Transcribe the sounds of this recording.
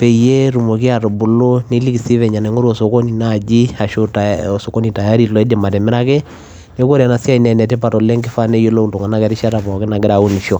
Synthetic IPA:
pɛ˨i˨je˦ɾu˨mo˨ki˦a˨ɾo˨bu˨lo˦ne˦li˦ki˨si˦βɛ˨ɲa˨nɛ˨ŋo˦ɾo˨so˨ko˦ni˨na˦˨d͡ʒi˦a˨ʃo˦tao˨so˨kɔ˦ni˨ta˨ja˦ɾi˦lɔ˨e˦de˨ma˨tɛ˨mɪ˦ɾa˦ke˦ | ne˦ko˦ɾa˨na˨si˦a˦i˨nɛ˨nɛ˨tɛ˦pa˨tɔ˨le˦ŋɡɪ˦fa˦ne˦jo˦lo˦u˦nto˨ŋɡa˨na˦kɛ˨ɾi˦ʃa˦ɾa˨βɔ˨ke˦na˨ɡe˦ɾa˨u˦n˨ʃɔ˨

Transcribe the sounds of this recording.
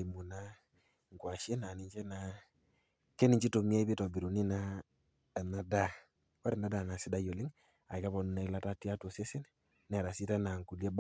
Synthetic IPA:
i˨mu˨na˦ | ŋkwa˨ʃe˦na˨ni˦ɲt͡ʃe˦na˨ | ke˦ni˨ɲt͡ʃi˦to˨mi˦a˦i˦be˦tɔ˨bi˨ɾu˨ni˦na˦˨ | na˨da˦ | wa˦ɾe˨nda˦da˨na˨si˦da˦jo˨li˦ŋ | a̰˨ka˦βɔ˨nu˨na˨i˦la˦ta˦ti˦a˦to˨se˦si˦n | n˨a˨ɾa˨si˦ta˦na˨ŋku˨lje˦b

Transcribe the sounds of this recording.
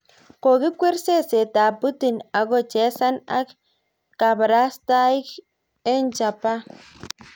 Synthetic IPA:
ko˨ɣi˦kʷe˦ɾse˦se˨t̪a˨pu˦t̪i˨na˨ɡo˦t͡ʃe˦sa˦na̰˦k | ka˨bɾa˦st̪a˦i˦k | e˦nt͡ʃa˨pa˦

